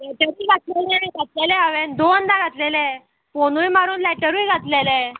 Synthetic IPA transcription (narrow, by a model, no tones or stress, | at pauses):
lɛʈəɾuiɡʱat̪lelɛaniɡʱat̪lɛlɛaʋend̪oənd̪aɡʱat̪lelẽ | ponujmaɾuːnlɛʈəɾijɡʱat̪lelɛ̃